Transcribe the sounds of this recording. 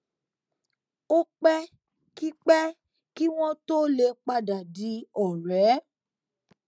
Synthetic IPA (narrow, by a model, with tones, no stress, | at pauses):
o˦k͡pɛ˦ | ki˦k͡pɛ˦ | ki˦w̃ɔ̃˦to˦le˧k͡pa˦da˨di˨˦ɔ˨ɾɛ˨˦